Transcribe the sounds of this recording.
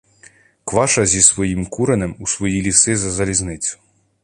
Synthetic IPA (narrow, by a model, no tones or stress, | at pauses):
kʋɑʃɐzʲisʋɔjimkuɾenemusʋɔjilʲisɪzɐzɐlʲiznɪt͡sʲʊ̥